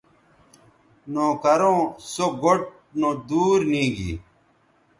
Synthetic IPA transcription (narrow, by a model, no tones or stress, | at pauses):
nõːkɐɾõːsoɡoʈ̚ | nõːd̪uːɾnĩːɡḭː